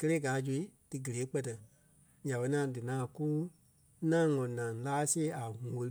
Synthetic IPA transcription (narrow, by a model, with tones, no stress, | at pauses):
kə˦leː˦ɡaː˨˦d͡ʒu˧˨i˦d̥ɨ˧ɡə˨leː˨˦k͡pɛ˧tɛ˨ | ɲã˨ɓɛ˧˦ã˨dɨ˨nãː˨ku˦ | nã˦ŋɔ̃˨nã˨laː˦seː˦a˨ŋo˧li˦